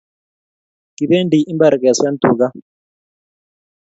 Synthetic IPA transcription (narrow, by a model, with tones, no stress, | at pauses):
ki˨be˦ndi˨ʔi˦mba˨ɾkɛ˨swa˦n˦t̪ṵ˨ɡa˦